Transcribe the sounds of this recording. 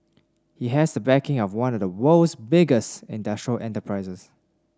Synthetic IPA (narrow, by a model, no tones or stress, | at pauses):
hiɦɛsdəbɛkɪ̃ŋɔfwãnɔvdəmoʊsbɪɡəstɪ̃ndaʃɹəlʔɛ̃ntəpʰɹaɪsəs